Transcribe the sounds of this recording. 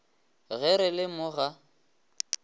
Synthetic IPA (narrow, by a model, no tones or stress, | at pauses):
ɣɛɾɪlɪmʊɣa